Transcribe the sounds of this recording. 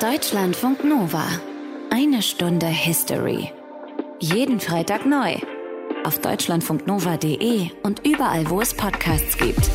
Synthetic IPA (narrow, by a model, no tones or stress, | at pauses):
d̥ɔʏt͡ʃlantfʊŋknoːva̰ʔaɪnəʃtʊndəhɪstʰɔ̰ʁḭ | jeːdn̩fʁ̥aɪtʰaːknɔʏʔaʊfd̥ɔ̰ʏt͡ʃlantfʊŋk̚tnoːvadeːʔeːʊntʔyːbɐʔa̰lvoːɛspʰɔtkʰaːst͡sɡ̥ḭːp̚t